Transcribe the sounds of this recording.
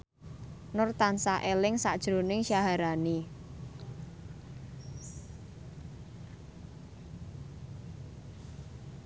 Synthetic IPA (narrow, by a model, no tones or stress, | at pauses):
nʊrt̪ansaʔelɪŋsaʔd̥ʒ̥ɾonɪŋʃaɦaɾani